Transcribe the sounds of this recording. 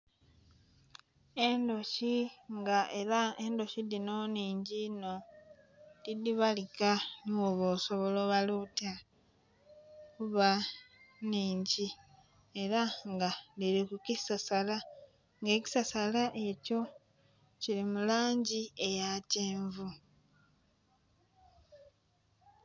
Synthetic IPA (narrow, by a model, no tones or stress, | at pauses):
endo̞ʃiŋɡaeɾaendo̞ʃidinoniːɲɟino̞ | lidiβalikanoβoso̞βo̞loːβaluta | kuβa | niːɲɟi | e̞ɾaŋɡaliɾikukisasala | ŋɡe̞ːci̥sasalaʔe̞co̞ | cilimulaːɲɟie̞jateːɱvu